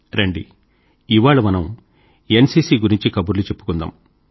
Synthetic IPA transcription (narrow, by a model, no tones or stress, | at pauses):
ɾeɳɖḭ | iʋaːɭɐmɐnɐm | ensiːsiːɡuɾiɲt͡ʃikɐbuɾlut͡ʃe̞pːu̥kund̪a̰ːm